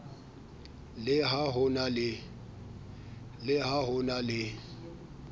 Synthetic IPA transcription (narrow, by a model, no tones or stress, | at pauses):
lɪɦaɦʊnalɪ | lɪhaɦʊnalɪ